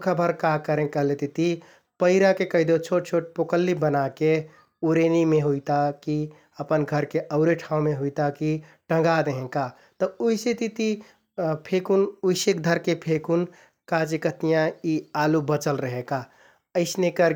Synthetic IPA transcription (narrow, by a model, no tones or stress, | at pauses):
kʰabʱəɾkakəɾẽkəɦlet̪it̪i | pəɪɾakekəɦɪd̪ot͡ʃʰoʈ̚t͡ʃʰoʈ̚pokəlːibənake | uɾenimeɦuit̪aki | əpənɡʱəɾkeʔəʊɾeʈʰãũmeɦuit̪aki | ʈə̃ŋɡad̪eɦẽka | t̪ɔuiset̪it̪i | pʰekunuisek̚d̪ʱəɾkepʰekun | kat͡ʃikət̪ijãialubət͡ʃəlɾəɦẽka | əɪsnekəɾ